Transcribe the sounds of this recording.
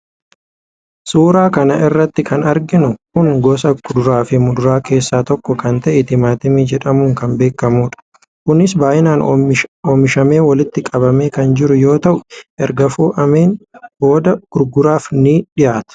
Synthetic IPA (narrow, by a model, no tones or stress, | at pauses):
suːɾaːkɐnɐʔɪrːɐt̪ːɪkʰɐnɐɾɡɪnʊkʊŋɡɔsɐɡʊd̪ʊɾaːfɪmʊd̪ʊɾaːke̞ːsːaːt̪ɔkːɔkɐnt̪ɐʔɛt̪ɪmaːt̪ɪmiːd͡ʒɛᶑɐmʊŋkɐmbe̞ːkːɐmuːᶑɐ̥ | kʊnːɪsbaːjɪnaːnoːmːɪʃɐme̞ːwɐlɪt̪ːɪkʼɐbɐmeːkɐnd͡ʒɪɾʊjo̞ːt̪ɐʔʊʔɛɾɡɐfuːʔɐme̞ːnbo̞ːd̪ɐɡ̥ʊɾɡʊɾaːfnɪᶑɪjaːt̪ʊ̥